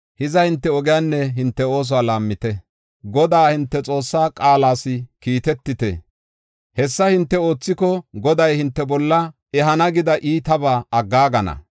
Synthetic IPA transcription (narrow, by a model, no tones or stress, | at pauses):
hɪzɐhɪnt̪ːɛɔɡɛjaːnːɛɦɪnt̪ːɛo̞ːs̬ɔwaːlaːmːɪt̪ɛ | ɡɔd̪aːhɪnt̪ːɛt͡sʼo̞ːsːaːkʼaːlaːsɪkiːt̪ɛt̪ːɪt̪ɛ̰ | hɛsːɐhɪnt̪ːɛo̞ːt͡sːɪkɔɡɔd̪ɐjhɪnt̪ːɛbɔlːɐ | ɛɦɐnɐɡɪd̪ɐʔiːt̪ɐbaːɐɡːaːɡɐnɐ̰